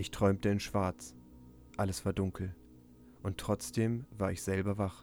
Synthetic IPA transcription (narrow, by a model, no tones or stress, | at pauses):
ʔɪçtʁ̥ɔʏmtəɪnʃv̥aɐt͡s | ʔaləsv̥aːɐdʊŋkʰl̩ | ʔʊntːʁ̥ɔt͡sd̥eːmvaːɐɪçz̥ɛlbɐvaχ